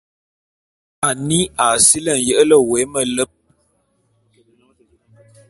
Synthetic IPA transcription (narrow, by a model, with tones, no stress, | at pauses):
a˨ni˦a˨si˦lə˦˨n̩˨jə˦ʔə˦lə˦we˨˦mə˦lə˦p̚